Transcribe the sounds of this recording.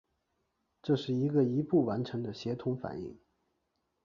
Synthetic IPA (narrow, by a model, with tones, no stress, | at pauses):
ʈ͡ʂɤ˥˧ʂɻ̩˥˩i˧˥ɡə˧i˧˥pu˥˩wa˧˥nʈ͡ʂʰɤ˧˥ŋd̪ə˧ɕjɛ˧˥t̪ʰʊ˧˥ŋfa̰˨˩nḭ˥˩ŋ